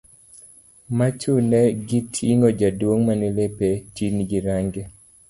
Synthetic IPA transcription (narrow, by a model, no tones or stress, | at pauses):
mat͡ʃunɛɡitʰiŋɔd͡ʒadwoŋmanelepet͡ʃinɡiɾaŋɡe